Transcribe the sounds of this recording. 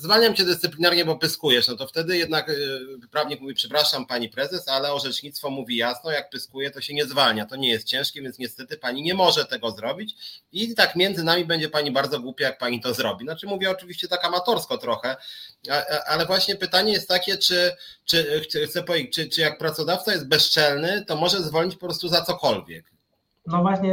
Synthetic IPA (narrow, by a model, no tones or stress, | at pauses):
zvalɲamt͡ɕɛd̪ɨst̪ɘplʲinaɾɲɛbɔpɘskujɛʂnɔt̪ɔft̪ɛd̪ɘjɛd̪nakpɾavɲikmuvʲipʂɛpɾaʂampaɲipɾɛzɛsalɛɔʐɛt͡ʂɲit̪st̪fɔmuvʲijasnɔjak̚pɘskujɛt̪ɔɕɛɲɛzvalɲat̪ɔɲɛjɛst̪̚t͡ɕɛ̃w̃ʂkʲɛvʲjɛnsɲɛst̪ɛt̪ɘpaɲiɲɛmɔʐɛt̪ɛɡɔzɾɔbʲit͡ɕit̪akmʲjɛnzɘnamʲibɛɲd͡ʑɛpaɲibaɾd̪zɔɡwupʲjajak̚paɲit̪ɔzɾɔbʲinat͡ʂɘmuvʲjɛɔt͡ʂɘvʲiɕt͡ɕɛt̪akamat̪ɔɾskɔt̪ɾɔxɛaʔalɛvwaɕɲɛpɘt̪aɲɛjɛst̪ːakʲɛt͡ʂɘt͡ʂɘxt̪xt̪sɛpɔvʲed͡ʑt͡ɕt͡ʂɘt͡ʂɘjak̚pɾat̪sɔd̪aft̪sajɛst̪bɛst͡ʂɛlnɘt̪ɔmɔʐɛzvɔlɲit͡ɕpɔpɾɔst̪uzat̪sɔkɔlvʲjɛ̰k | nɔvwaɕɲɛ